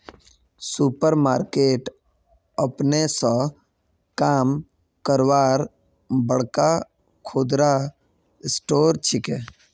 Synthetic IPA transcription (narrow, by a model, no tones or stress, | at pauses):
supəɾmaːɾkeːʈ | əpnesə̃ | kaːm | kəɾʋaːɾ | bəɽka | kʰoːd̪ɾa | ɪsʈoːɾt͡ʃʰɪke